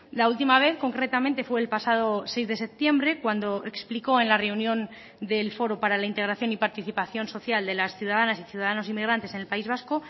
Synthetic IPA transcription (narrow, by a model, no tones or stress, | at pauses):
lault̪imaβ̞e̞θko̞ŋkɾe̞t̪amẽnt̪e̞fweːlpasað̞o̞se̞jzðe̞se̞p̚t̪je̞mbɾe̞kwand̪o̞ekspliko̞e̞nlare̞unjõ̞n | d̪e̞lfo̞ɾo̞paɾalaint̪eɣɾaθjo̞nipaɾt̪iθipaθjo̞nso̞θjald̪e̞lasθjuðaðanasiθjuðaðano̞simːiɣ̞ɾant̪ese̞ne̞lpaizβ̞asko̞